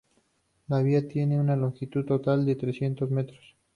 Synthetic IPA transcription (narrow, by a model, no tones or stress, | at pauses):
laβ̞iat̪je̞ne̞unaloŋxit̪uðt̪ːot̪ald̪e̞t̪ɾesje̞nt̪o̞zme̞t̪ɾos